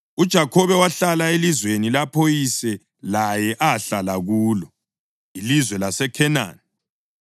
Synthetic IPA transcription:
ud̥ʒ̥ʱakʰɔβɛwaɬalaelizwenilapʰojisɛ | lajɛʔaɬalaɣuːlɔ | ilizwɛlasɛkʰɛna̰ːni

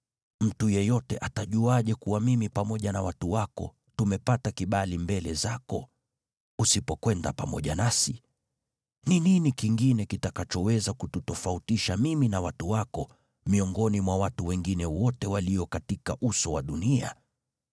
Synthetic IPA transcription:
m̩tujɛjɔtɛʔataʄuaʄɛkuwamimipamɔʄanawatuwakɔ̰ | tumɛpatakiɓalimbɛlɛzakɔ | usipɔkwɛnda̰pa̰mɔ̰ʄanasi | nininikiŋɡinɛkitakat͡ʃɔwɛzakututɔfautiʃamiminawatuwakɔ | miɔŋɡɔnimwawatuwɛŋɡinɛwɔtɛwaliɔkatikaʔusɔwaɗunia̰

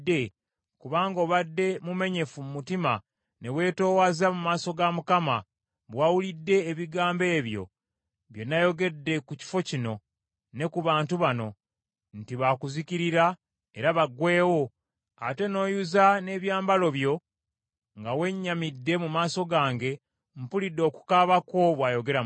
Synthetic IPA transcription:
dːe̞ | kuβaːŋɡo̞ːβadːe̞mume̞ɲe̞fumumutima | ne̞we̞ːto̞ːwazamumaːso̞ɡamukama | βwawulidːe̞ːβiɡaːmbe̞ːβjo̞̰ | βje̞najo̞ɡe̞dːe̞kuci̥fo̞cino̞ | ne̞kuβaːntuβano̞ | ntiβakuziciɾiɾa | e̞ɾaβaɡwe̞ːwo̞ | a̰te̞no̞ːjuzane̞ːβjaːmbalo̞βjo̞ | ŋɡawe̞ɲːamidːe̞mumaːso̞ɡaːŋɡe̞ | mpulidːo̞ːku̥kaβako̞βwaːjo̞ɡe̞ɾa

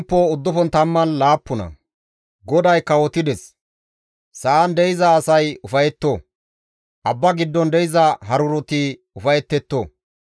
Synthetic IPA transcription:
pːoʊd̪ːɔfɔnt̪ɐmːɐnlaːpːʊnɐ̰ | ɡɔd̪ɐjkːɐwɔt̪ɪd̪ɛs | sɐːnd̪ɛjɪzɐːsɐjʊfɐjɛt̪ːo | ʔɐbːɐɡɪd̪ːɔnd̪ɛjɪzɐɦɐɾʊɾɔt̪i | ʊfɐjɛt̪ːɛt̪ːoː

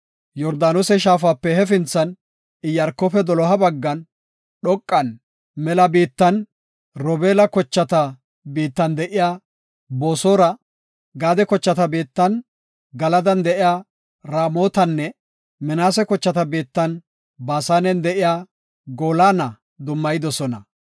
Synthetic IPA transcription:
jɔɾd̪aːnosɛʃ̬aːfaːpːɛhɛfɪnt͡sːɐn | ɪjɐɾkːɔpɛd̪ɔlɔɦɐbɐɡːɐn | ɗɔkʼːɐn | mɛlɐbiːt̪ːɐn | ɾɔbeːlɐkɔt͡ʃːɐt̪ɐ | biːt̪ːɐnd̪ɛʔɪjaː | bo̞ːsoːɾɐ | ɡaːd̪ɛkɔt͡ʃːɐt̪ɐbiːt̪ːɐn | ɡɐlɐd̪ɐnd̪ɛʔɪjaː | ɾaːmo̞ːt̪ɐnːɛ | mɛnaːsɛkɔt͡ʃːɐt̪ɐbiːt̪ːɐn | baːsaːnɛnd̪ɛʔɪjaː | ɡo̞ːlaːnɐ | d̪ʊmːɐjɪd̪ɔsɔnɐ̰

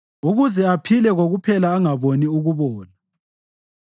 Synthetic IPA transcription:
uɣuzɛapʰilɛɣoɣupʰɛlaːŋaβoniuɣuβɔːla

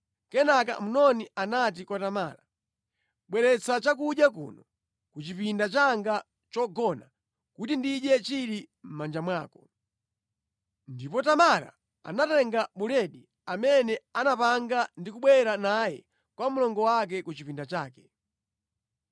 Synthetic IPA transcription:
kɛnaka̰m̩nɔnianat̬ikwɔtama̰ːɾa | ɓwɛɾɛt͡sat͡ʃak̬uʄjak̬ṵːnɔ | kut͡ʃipindat͡ʃaŋɡa | t͡ʃɔɡɔna | kutindiɗɛt͡ʃiɾim̩mand͡ʒamwaːkɔ | ndipɔtamaɾa̰ | a̰natɛŋɡaɓuɾɛɗi | amɛnɛanapaŋɡandikuɓwɛɾanajɛ̰ | kwamulɔŋɡɔwak̬ɛkut͡ʃipindat͡ʃaːkɛ̥

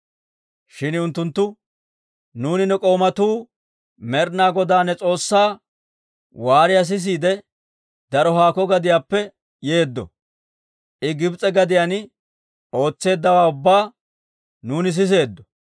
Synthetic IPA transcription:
ʃɪnʊnt̪ːʊnt̪ːʊ | nuːnɪnːɛkʼo̞ːmɐt̪uː | mɛɾnaːɡɔd̪aːnːɛt͡sʼo̞ːsːaː | waːɾɪjɐs̬ɪs̬iːd̪ɛ | d̪ɐɾɔɦaːkɔɡɐd̪ɪjaːpːɛ | je̞ːd̪ːɔ̰ | ʔɪɡɪbt͡sʼɛɡɐd̪ɪjan | o̞ːt͡sːe̞ːd̪ːɐwaːʊbːaː | nuːnɪs̬ɪs̬e̞ːd̪ːɔ̥

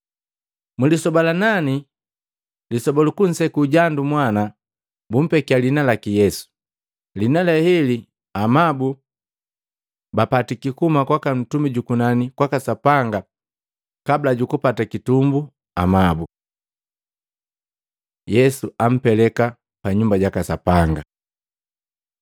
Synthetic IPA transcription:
mulisɔbalanani | lisɔbɔlukun̩sɛkuːɟandumwana | bum̩pɛkialinalakijɛsu̥ | linalɛhɛli | amabu | bapatikikumakwakan̩tumiɟukunanikwakasapaŋɡa | kabilaɟukupatakitumbu | amabu | jɛsuam̩pɛlɛka | paɲumbaɟakasapaŋɡa

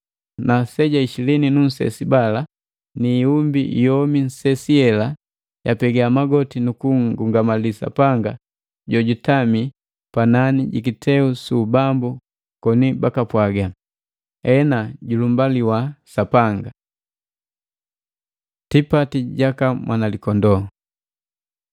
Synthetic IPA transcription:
nasɛɟaiʃilɛninun̩sɛ̰sibala | niːumbijɔmin̩sɛsiɛla | japɛɡaamaɡɔtinukuŋɡuŋɡamalisa̰paŋɡa | ɟɔɟutami | pananiɟḭk̬itʰɛusubambu | kɔnibakapwaɡa | ɛnaɟulumbaliwasapaŋɡa | tipatiɟakamwʔanalikɔndɔ

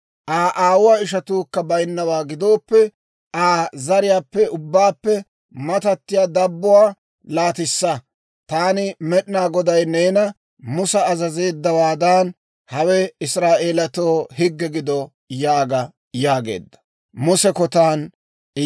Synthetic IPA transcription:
ʔaːʔaːwʊwaːɪʃɐt̪uːkːɐbɐjnːɐwaːɡɪd̪o̞ːpːɛ | aːzɐɾɪjaːpːɛʊbːaːpːɛ | mɐt̪ɐt̪ːɪjaːd̪ɐbːʊwaː | laːt̪ɪsːɐ | t̪aːnɪmɛɗɪnaːɡɔd̪ɐjneːnɐ | mʊsɐːzɐze̞ːd̪ːɐwaːd̪aːn | hɐwɛɪsɾaːʔe̞ːlɐt̪oːhɪɡːɛɡɪd̪ɔ | jaːɡɐ | jaːɡḛːd̪ːɐ̥ | mʊsɛkɔt̪aːn

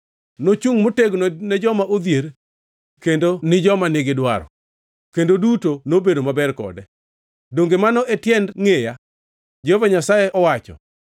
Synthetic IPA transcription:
not͡ʃuŋmoteɡnnɛd͡ʒɔmaʔod̪jeɾ | kendonɪd͡ʒɔmanɪɡɪdwaɾɔ̰ | kendodutonobedomabɛrkɔ̰dɛ | doŋɡemanɔʔɛtjɛndŋeja | d͡ʒehovaɲasajeʔɔwat͡ʃɔ̰

